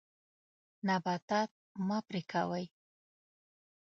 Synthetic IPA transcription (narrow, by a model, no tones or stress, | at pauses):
nabat̪at̪̚mɑpɾikʰa̰waj